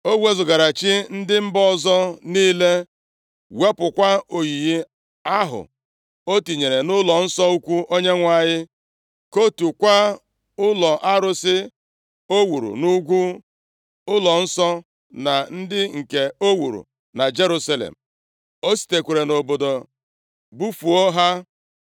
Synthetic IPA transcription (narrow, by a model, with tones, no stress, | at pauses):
o˦we˦zʊ˨ɡa˨ɾa˨t͡ʃi˦n̩˦dɪ˦m̩˦bɔ˦zɔ˦niː˦le˦ | we˦pʊ˨kʷa˦o˨ji˨ji˦ | a˦ɦʊ̰˨ | o˦ti˨ɲe˨ɾe˨nʊ˦lɔ˨n̩˦sɔ˦u˦kʷu˦ʔo˦ɲe˦ŋʷa˦˨ɲɪ˦ | ko˦tu˨kʷa˦ | ʊ˦lɔ˨ʔa˦ɾʊ˦sɪ˦ | o˦wu˨ɾṵ˨nu˦ɡʷu˦ | ʊ˦lɔ˨n̩˦sɔ˦ | na˨n̩˦dɪ˦ŋ̩˨ke˨o˦wu˨ɾṵ˨ | na˨d͡ʒe˦ɾu˦sa˦lḛ˨m̩˨ | o˦si̥˨te˨kʷe˨ɾe˨no˨bo˨do˨ | bu˦fu˨ɔ˦ɦa˦